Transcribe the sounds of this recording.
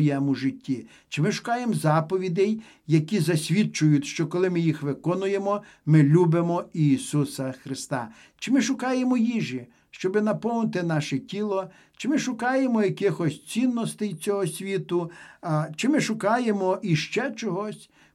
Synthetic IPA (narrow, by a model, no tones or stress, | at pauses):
jɛmuʒɪtʲːi | t͡ʃɪmɪʃʊ̥kɑjemzɑpɔʋʲid̪ɛj | jɐkʲizɐsʲʋʲit͡ʃʊjʊt̪ʲʃt͡ʃɔkɔlˠɪmɪjixʋɪkɔnʊjemɔ | mɪlʲubɪmɔiːsusɐxɾɪst̪ɑ̰ | t͡ʃɪmɪʃʊkɑjemɔjiʒi | ʃt͡ʃɔbɪnɐpɔwnɪt̪ɪnɑʃɛtʲilˠɔ | t͡ʃɪmɪʃʊkɑjemɔjɐkɪxɔsʲt͡sʲinːɔst̪ɪjt͡sʲɔɦɔsʲʋʲit̪ʊ | t͡ʃɪmɪʃʊkɑjemɔʔiʃt͡ʃɛt͡ʃɔɦɔsʲ